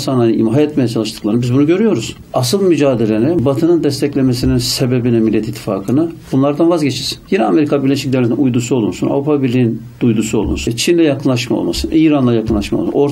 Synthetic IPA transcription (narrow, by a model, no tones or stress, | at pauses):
sananiɦajat̪mejat͡ʃʰalˠɯʃt̪ɯ̥klˠaɾnbizbunuɟø̞ɾyjo̞ɾuz̥ | asɯlˠmyd͡ʒaːd̪e̞lʲe̞nɛbat̪ʰɯnɯnd̪ɛst̪ʰɛclʲemes̬ininsebebinɛmilʲiːɛt̪it̪ʰːi̥fa̰ːkʰɯnɯbunlˠaɾd̪anvazɟet͡ʃʰiɾsi̥njinɛame̞ɾikʰabiɾlʲeʃic̚d̪evlʲet̪inujd̪usuolˠṵnsuna̰vɾupʰabiɾlʲiːin | d̪̥ujd̪usuo̞lˠṵnsut͡ʃʰinlʲɛjakʰɯnlˠaʃmao̰lˠma̰sɯnʔiːɾanlˠajakʰɯnlˠaʃmao̰msṵo̞ɾ